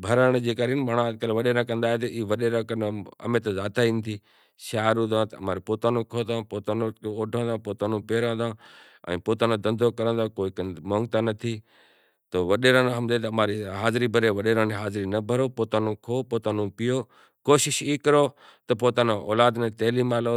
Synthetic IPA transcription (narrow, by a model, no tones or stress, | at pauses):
bʱɐɾəɽ̃d͡ʑeːkaːɾinɪmaɽ̃ãd͡ʑkəlʋɐɗeːɾãːkɐ̃nd̪aːɦet̪ɐiʋɐɗeɾãkɐnɐ̰mẽt̪ɐzaːt̪aĩːnd̪iː | ʃaːɾũd̪ãt̪ɐɐmaːɾipoːt̪aːnõkʰoːt̪ãpoːt̪anooːɖʱə̃ːnd̪ãpoːt̪aːnõpeːɾə̃ːnd̪ãː | ɛ̰̃ːpoːt̪aːnõd̪ɐ̃nd̪ʱokɐɾə̃nd̪akoːikmõŋɡ̚t̪aːnɐt̪ʰiː | t̪oːʋɐɗeːɾãːnɦɐmd̪et̪ɐɐmaːɾiɦaːzɪɾibʱɐɾeʋɐɗeːɾãːneɦaːzɪɾinɐbʱɐɾoːpoːt̪aːnõkʰoːpoːt̪aːnõpɪjoː | koːʃɪʃiːkɐɾoː | t̪ɐpoːt̪aːnõo̰ːlaːd̪nẽt̪eːliːmaːlo